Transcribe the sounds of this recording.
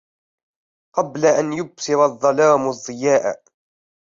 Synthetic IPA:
qɑblaʔanjʊbsɪɾˤɑðˤːɑlaːmɑzˤːɪjaːʔ

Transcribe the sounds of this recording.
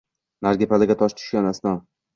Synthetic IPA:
naɾɡʲepalaɡʲat̪ʰɒʃt̪ʰʊ̥ʃɡʲanasnɒn

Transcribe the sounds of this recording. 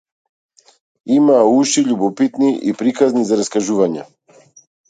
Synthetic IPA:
imaːuʃiʎubɔpit̪niʔḭpɾikaznizaɾaskaʒuvaɲɛ

